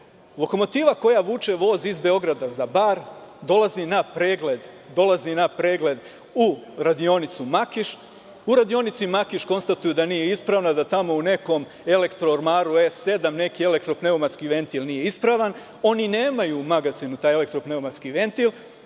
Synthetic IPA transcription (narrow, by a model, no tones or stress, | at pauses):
lo̞ko̞mo̞t̪iːʋako̞jaʋut͡ʃe̞ʋo̞ziizbe̞o̞ɡɾad̪azabaːɾd̪o̞lˠazinapɾeːɡled̪ | d̪o̞lˠazinapɾe̞ːɡle̞d̪ | uɾad̪io̞nit̪sumakiʃ | uɾad̪io̞nit̪simakiʃko̞nst̪at̪ujud̪aniːje̞ispɾaːʋnad̪at̪amo̞une̞ko̞m | e̞le̞kt̪ɾooɾmaːɾue̞sːe̞d̪amne̞kie̞le̞k̚t̪ɾo̞pne̞omat̪skiʋe̞nt̪ilˠnijeispɾaʋan | o̞nine̞ːmajumaɡat̪sinut̪aːjele̞kt̪ɾopne̞omat̪skiʋe̞nt̪ilˠ